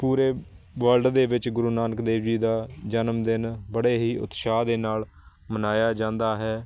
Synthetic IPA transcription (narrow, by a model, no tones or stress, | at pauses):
puːɾeː | ʋəlɖd̪eːʋɪt͡ʃɡʊɾuːnaːnəkd̪eːʋd͡ʒiːd̪aːd͡ʒənəmd̪ɪnbəɽeːɦiːʊ̰t̪ʃaːd̪eːnaːl | mənaːjaːd͡ʒãːnd̪aːɦɛː